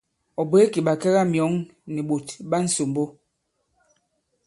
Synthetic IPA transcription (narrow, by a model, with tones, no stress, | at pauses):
ɔ˨bwe˨˦ki˨ɓa˨kɛ˦ɣa˦mjɔ˨˦ŋni˨ɓo˨tɓa˦n̩˦so˨mbo˦